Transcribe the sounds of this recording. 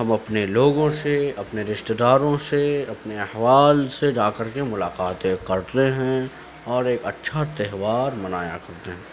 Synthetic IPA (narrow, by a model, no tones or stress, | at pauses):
ɦɐmɐpneloːɡõseɐpneɾɪʃʈ̪d̪aːɾõseɐpneɐhʋaːlsed͡ʒaːkəɾkemʊlaːqaːt̪ekɐɾt̪eɦɛ̃ | ɔːɾeːkɐtːʃʰat̪ɛɦʋaːɾmɐnaːja̰kɐɾt̪eɦɛ̃ː